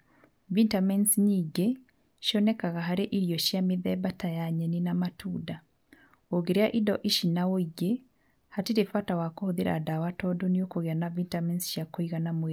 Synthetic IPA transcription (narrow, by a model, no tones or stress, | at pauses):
vintamɛnsɲiːɡe | ʃjɔnɛkaɣaɦaɾeʔiɾjɔʃjamiðɛβatajaɲɛninamatʰuda | oɡeɾeaʔidɔʔiʃinawoiɡe | hatiɾefatawakohoðiɾa̰dawatɔdɔniokoɣeanavintamɛnsʃjakoiɣanamwe